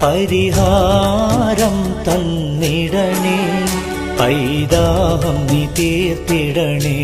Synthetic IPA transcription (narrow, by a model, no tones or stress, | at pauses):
pɐɾiɦaː | ɾɐmt̪ɐnː | iɽɐɳi | pɐjd̪aːɦɐmːit̪et̪iɽɐɳi